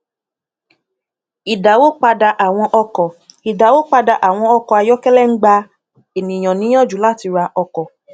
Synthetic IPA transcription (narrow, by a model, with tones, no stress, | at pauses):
i˨da˨wo˦k͡pa˧da˧ʔa˨w̃ɔ̃˧ʔɔ˧kɔ˨i˨da˨wo˦k͡pa˧da˧ʔa˨w̃ɔ̃˧ɔ˧kɔ˨a˧jɔ˦kɛ˦lɛ˦ŋ̩˦ɡ͡ba˧ | e˨nĩ˨j̃ɔ̃˨nĩ˨˦ɔ̃˦˨d͡ʒu˨˦la˦˨ti˨˧ɾa˧ʔɔ˧kɔ˨